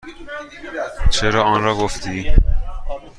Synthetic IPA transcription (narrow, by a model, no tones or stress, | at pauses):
t͡ʃʰe̞ɾɒːɒːnɾɒːɡoft̪ʰiː